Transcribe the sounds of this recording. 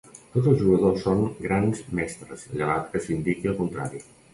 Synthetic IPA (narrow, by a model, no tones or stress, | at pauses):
t̪ot̪zəlˠzʒuɣəðosːoŋɡɾanzmɛst̪ɾəsʎəβat̪kəsind̪ikiəlˠkunt̪ɾa̰ɾi